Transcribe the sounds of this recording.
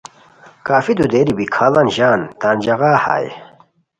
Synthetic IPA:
kaːfid̪ud̪eːɾibikʰaːlɐnʑaːnt̪aːnd͡ʑɐɣaːha̰ːj

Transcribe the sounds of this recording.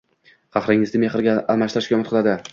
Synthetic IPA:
χɑχɾɪŋɪzd̪ɪmeχɪɾɡʲaːlˠmaʃt̪ɾaʃʲɒmɪt̪qʰɨlˠad̪ɪ

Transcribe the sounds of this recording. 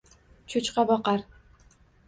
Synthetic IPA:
t͡ʃʰʊt͡ʃqɑbɒqɑɾ

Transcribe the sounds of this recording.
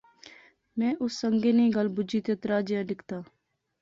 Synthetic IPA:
mɛ̃ːʔʊsːəŋɡeːnẽːɡəlbʊd͡ʒiːt̪eːt̪ɾaːd͡ʒjãːɖɪkʰt̪aː

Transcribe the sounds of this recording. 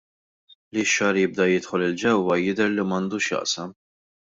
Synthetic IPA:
liʃːɐːɾjɪb̚d̪ɐjɪt̪ħɔlɪld͡ʒɛwːɐjɪd̪ɛɾlimɐnd̪uːʃjɐ̰ʔsɐm

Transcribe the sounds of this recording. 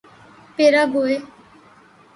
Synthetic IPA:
peːɾaːɡoːeː

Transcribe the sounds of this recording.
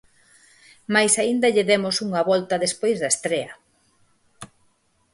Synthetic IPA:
majsaind̪ɐʎɪðemʊsuŋɐβɔlt̪ɐðespojzðɐest̪ɾeɐ

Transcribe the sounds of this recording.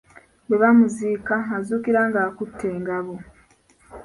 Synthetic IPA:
we̞βamuziːkaazuːkiɾaŋɡaːkutʰːe̞ːŋɡaβo

